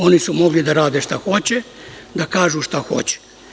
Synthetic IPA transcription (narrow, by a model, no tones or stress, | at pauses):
o̞nisumo̞ɡlid̪aɾaːd̪eʃt̪axo̞t͡ɕed̪akaːʒuʃt̪axo̞̰t͡ɕe̥